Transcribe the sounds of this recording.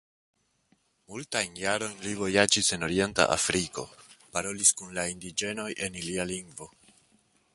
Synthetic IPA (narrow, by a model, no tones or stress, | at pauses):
multajnjaɾo̞jnlivo̞jad͡ʒise̞no̞ɾie̞nta̰ʔa̰fɾiko̞̰paɾo̞liskunlaindid͡ʒe̞no̞jʔe̞nilialiŋɡvo̞